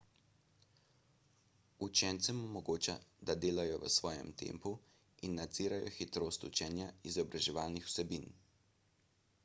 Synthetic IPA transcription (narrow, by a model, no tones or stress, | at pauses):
ut͡ʃɛnt̪sɛmɔmɔɡoːt͡ʃad̪ad̪eːlajɔʋə̰sʋɔːjɛ̰mt̪ḛmpu | inːad̪z̥iːɾajɔ̰xit̪ɾoːst̪ut͡ʃɛːnjaizɔbɾaʒɛʋaːlnixw̥sɛbin